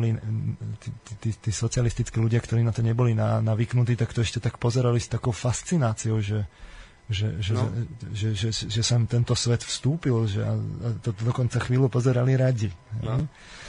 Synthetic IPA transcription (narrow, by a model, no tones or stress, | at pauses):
lit̪it̪it̪iːt̪iːsɔt͡sɪalist̪it͡skiːluɟɪakt̪ɔɾiːnat̪ɔɲɛbɔlinanaʋiːknut̪̬iːt̪akt̪ɔɛʃcɛt̪akpɔzɛɾalist̪akɔʊfast͡sinaːt͡siɔʊʒɛ | ʒɛʒɛʒɛʒɛʒɛsamt̪ɛnt̪ɔsʋɛt̪fst̪uːpilʒɛa̰at̪ɔd̪ɔkɔnt͡saxʋiːlupɔzɛɾaliɾaɟiɦɛj